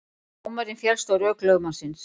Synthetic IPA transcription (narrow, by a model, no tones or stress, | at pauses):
umaɾɪnfjɛlst̪owɾœklœːɣmasɪns